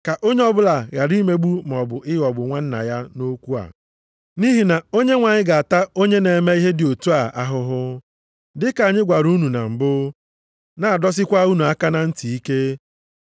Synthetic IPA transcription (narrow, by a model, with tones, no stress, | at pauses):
ka˨ʔo˦ɲe˦ɔ˦bʊ˦la˨ɣa˨ɾi˦me˦ɡ͡bu˦m˨ɔ˨bʊ˨ɪ˦ɣɔ˨bʊ˨ŋʷa˦n̩˦na̰˨ja˦no˦kʷu˦a̰˨ | ni˦ɦi˨na˨o˦ɲe˦ŋʷa˨ɲɪ˦ɡa˨a˨ta˦o˦ɲe˦ne˨me˦i˦ɦe˦dɪ˨o˨tu˦a˨a˦ɦʊ˦ɦʊ˦ | dɪ˦ka˨ɲɪ˦ɡʷa˨ɾu˦nu˨na̰˨m̩˨bʊ˦ | na˨a˨dɔ˦s̬ɪ˦kʷa˦u˦nu˨a˦ka˦na˨n̩˦ti˨i˦ke˦